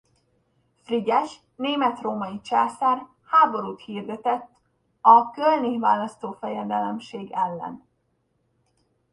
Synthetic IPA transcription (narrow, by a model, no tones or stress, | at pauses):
friɟɛʃ | neːmɛt̪roːmɒjit͡ʃaːsaːr | haːbo̞ɾuːt̪hiːrd̪ɛt̪ɛt̪ː | ɒkølnivaːlɒst̪oːfɛjɛd̪ɛlɛmʃeːɡɛlːɛ̰n